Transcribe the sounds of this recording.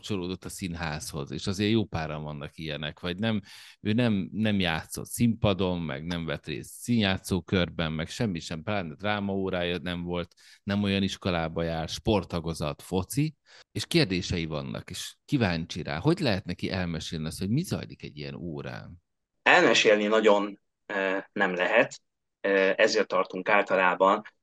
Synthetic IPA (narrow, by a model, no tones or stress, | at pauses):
pt͡ʃoloːd̪ot̪ːɒsinɦaːsho̞̰zḛːʃɒzeːrjoːpaːɾɒɱvɒnːɒkijɛnɛkʋɒɟnɛmøːnɛmnɛmjaːt̪so̞̰t̪simpɒd̪o̞nmɛ̰ɡnɛɱvɛt̪rḛːst̪siːnjaːt̪soːkørbɛnmɛkʃɛmːiʃɛmpraːnd̪raːmɒoːɾaːjɒnɛɱvo̞lt̪nɛmo̞jɒniʃko̞laːbɒjaːrʃpo̞rt̪ɒɡo̞zɒt̪fo̞t̪si | eːʃkeːrd̪eːʃɛjivɒ̰nːʔɒ̰keːʃkivaːɲt͡ʃiɾa̰ːho̞ɟlɛɦɛt̪nɛkiʔɛlmɛʃeːlniɒst̪ho̞ɟmizɒ̰jlikɛ̰ɟːijɛ̰noːɾa̰ːn | ɛlmɛʃeːlninɒɟo̞n | ønɛmlɛɦɛt̪ː | ɛzeːrt̪ːɒrt̪uŋkaːlt̪ɒlaːbɒn